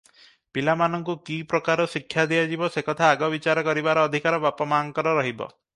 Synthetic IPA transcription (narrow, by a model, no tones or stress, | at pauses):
pilamanɔŋkukipɾɔkaɾɔsikʰːjad̪iad͡ʒibɔsekɔt̪ʰaːɡɔbit͡ʃaɾɔkɔɾibaɾɔːd̪ʱikaɾɔbapɔmaŋkɔɾɔɾɔɦibɔ̰